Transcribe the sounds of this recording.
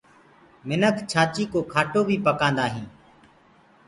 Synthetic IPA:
mɪnəkʰt͡ʃʰaːt͡ʃiːkoːkʰaːʈoːbʱiːpəkãːnd̪aːɦĩː

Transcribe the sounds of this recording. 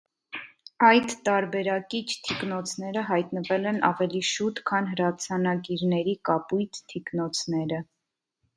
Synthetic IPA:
ɑjd̪ːɑɾbɛɾɑkit͡ʃʰt̪ʰiknɔt͡sʰnɛɾəɦɑjt̪nəvɛlɛnɑ̰vɛliʃut̪kʰɑnɦəɾɑt͡sʰɑnɑɡiɾnɛɾikɑpujt̪ʰt̪ʰiknɔt͡sʰnɛɾə

